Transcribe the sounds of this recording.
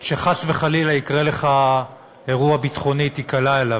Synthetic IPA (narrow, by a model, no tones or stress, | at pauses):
ʃeχasveχalilaikʁele̞χa | e̞ʁuabitχo̞nit̪ikalaela